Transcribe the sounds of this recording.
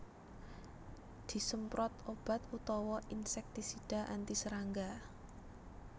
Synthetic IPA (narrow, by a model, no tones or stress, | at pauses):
d̪̥i̤səmpɾɔt̪̚ob̥a̤t̪̚put̪ɔwɔʔinsɛk̚t̪isiɖ̥a̤ʔant̪isəɾaŋɡa